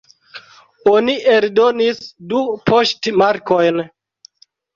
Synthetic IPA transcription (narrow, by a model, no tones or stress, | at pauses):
o̞niʔeldo̞nisdupʰoʃtmaɾkojn